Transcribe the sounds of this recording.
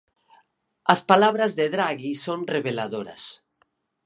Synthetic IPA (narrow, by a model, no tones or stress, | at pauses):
aspalaβɾazðeðɾaɣisonreβelaðoɾa̰s